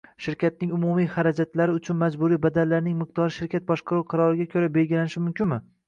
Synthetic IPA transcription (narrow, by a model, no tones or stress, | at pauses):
ʃɪɾkʲat̪̚nɪŋʊmʊmijχaɾad͡ʒat̪laɾɪʊt͡ʃʰʊnmad͡ʒbʊɾijbad̪allːaɾnɪŋmɪq̚t̪ɒɾɪʃɪɾkʲʰat̪̚bɒʃqʰɑɾuwqʰɑɾɒɾɪɡʲakʲʰɵɾabe̞lɡʲɪlanɪʃɪmʊmkʲɪnmɪ